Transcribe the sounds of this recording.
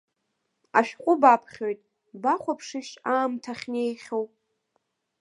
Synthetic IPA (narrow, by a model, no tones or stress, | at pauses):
a̰ʃᶣqʷʼʊbapʰχʲo̞jtʼ | baχʷapʰʂɨʃaːmtʰaχʲnejχʲow